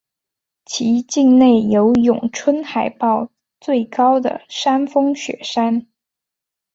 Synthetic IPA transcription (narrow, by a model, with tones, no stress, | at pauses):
t͡ɕʰi˧˥t͡ɕi˥˧ŋne˥˩ɪjo˧˥ʊjʊ˨˩ŋʈ͡ʂʰwə˥nxa˨˩ɪpɑ˥˧ʊ | t͡swe˥˩ɪkɑ˥ʊd̪ə̰˨ʂa˥nfɤ˥ŋɕɥɛ̰˨˩ʂa˥n